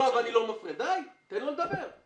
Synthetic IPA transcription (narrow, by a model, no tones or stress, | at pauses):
avanilomafʁed̪ajt̪enloled̪abeʁ